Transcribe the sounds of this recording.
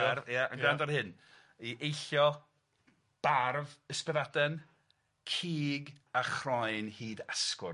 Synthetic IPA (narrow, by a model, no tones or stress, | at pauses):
arvjaə̰nɡandɔrhɨn | iʔejɬjɔ | b̥arvəspəðadɛn | kʰiːɡaχrɔjnhiːdaskʊ